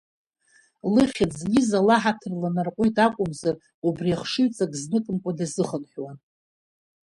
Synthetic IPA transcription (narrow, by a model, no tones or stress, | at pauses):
lɨχʲad͡zɡʲizalaħatʰɨrlanarqʷʼʊjtʰʼakʷʼʊmzar | ubriaχʂɨɥt͡sʼaɡʼznɨkʼɨmkʷʼadazɨχənħʷᶣwan